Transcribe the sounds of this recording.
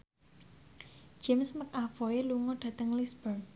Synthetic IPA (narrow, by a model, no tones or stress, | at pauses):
d͡ʒ̥ɪmsmək̚afoeluŋɔɖ̥ä̤t̪əŋlisbərn